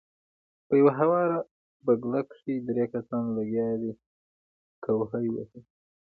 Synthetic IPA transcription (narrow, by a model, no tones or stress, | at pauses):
pəjawaɦawɑɾa | baɡlakʂid̪ɾekasɑnlaɡjɑd̪i | kawɦəjwə̰si